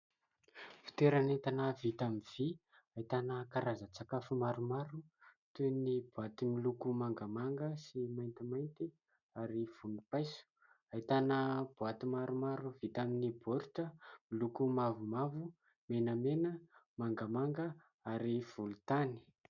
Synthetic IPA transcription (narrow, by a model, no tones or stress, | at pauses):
fi̥t̪eɾanet̪anavit̪amiv̥i | ait̪anəkaɾazət͡sakafumaɾumaɾut̪unibuat̪imilukumaŋɡamaŋɡəsimajnt̪imajnt̪i | aɾiv̥unipajsu̥ | ait̪anəb̥uat̪imaɾumaɾuv̥it̪aminiboɾtəmilukumavumavu | menəmenəmaŋɡəmaŋɡə | aɾiv̥ulut̪ani̥